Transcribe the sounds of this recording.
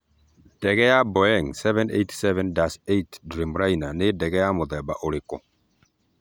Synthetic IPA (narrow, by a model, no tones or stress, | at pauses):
d̥ɛɣɛjabɔɛŋsɛvɛ̃nḛtsɛvɛ̃ndasejtdɾimɾajnanedɛɣɛjamoðɛba̰ʔoɾekɔ̰